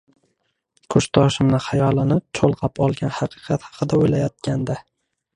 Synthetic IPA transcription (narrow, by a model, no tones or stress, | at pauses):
kʰʊʃt̪ʰɒʃɪmnɪhajɒlˠɪnɪt͡ʃʰolˠqʰɑpɒlˠɡʲanhɑqʰɨ̥qʰɑt̪hɑ̥qʰɨd̪aojlajɒt̪̚kʲʰand̪a